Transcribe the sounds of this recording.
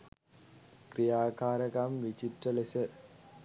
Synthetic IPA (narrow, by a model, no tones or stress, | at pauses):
krijaːkaːɾɐkamʋit͡ʃit̪ɾəlesə